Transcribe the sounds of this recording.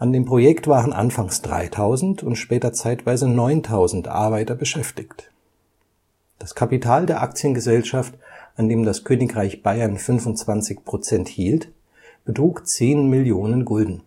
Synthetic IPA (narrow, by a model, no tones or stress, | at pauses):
ʔandeːmpʁ̥ojɛktv̥aːʁənʔa̰nfaŋsd̥ʁa̰ɪtʰaʊzn̩tʊntʃpɛːtɐt͡saɪtv̥aɪzənɔʏntʰaʊzn̩tʔa̰ɐbaɪtɐbəʃɛftɪçt | d̥askʰapitʰaːldeːɐʔak̚t͡sjənɡəzɛlʃaftʔandeːmdaskʰøːnɪkʁaɪçb̥aɪɐnfʏnvʊntt͡sv̥ant͡sɪçpʁ̥ot͡sɛnthiːlt | b̥ətʁ̥uːkt͡seːnmɪljoːnənɡɔldn̩